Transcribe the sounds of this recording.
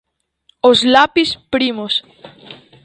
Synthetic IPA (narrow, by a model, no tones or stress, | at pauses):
ozlapispɾimos